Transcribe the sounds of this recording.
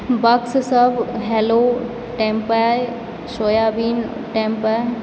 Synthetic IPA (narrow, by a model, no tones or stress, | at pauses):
bɐkssəbɦɛlo | ʈẽmpaj | ʃoːjabiːn | ʈẽmpaj